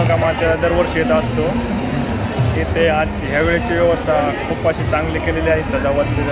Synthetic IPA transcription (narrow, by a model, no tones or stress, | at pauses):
kamat̪jalad̪əɾʋəɾɕjet̪aəst̪o | kit̪ead̪t͡ɕiɦjaʋeɭet͡ɕiːʋjɛʋəst̪ʰakʰupːaɕiːt͡sãŋɡliːkeleljaɦisəd̪ʱaʋət̪t̪ə